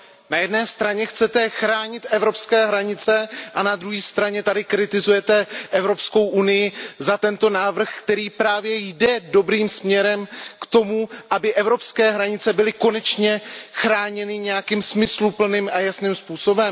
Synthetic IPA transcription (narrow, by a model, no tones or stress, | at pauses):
najɛdnɛːst̪ɾaɲɛxt͡sɛt̪ɛxɾaːɲɪt̪ʔɛvɾo̞pskɛːɦɾaɲɪt͡sɛʔanad̪ɾuɦiːst̪ɾaɲɛt̪adɪkɾɪt̪ɪzujɛt̪ɛʔɛvɾo̞psko̞wʔunɪjɪzat̪ɛnt̪o̞naːvr̩xkt̪ɛɾiːpɾaːvjɛjdɛdo̞bɾiːmsmɲɛɾɛmkt̪o̞muʔabɪʔɛvɾo̞pskɛːɦɾaɲɪt͡sɛbɪlɪko̞nɛt͡ʃɲɛxɾaːɲɛnɪɲɛjakimsmɪslupl̩nɪmʔajasnɪmspuːso̞bɛm